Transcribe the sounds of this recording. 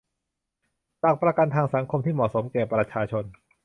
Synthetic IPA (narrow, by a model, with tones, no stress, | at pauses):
t͡ɕaː˨˩k̚pɾa˧ka˧nt̪ʰaː˧ŋsa˩˦ŋkʰo˧mt̪ʰiː˥˩mɔ˨˩so˩˦mkɛː˨˩pɾa˧t͡ɕʰaː˧t͡ɕʰo˧n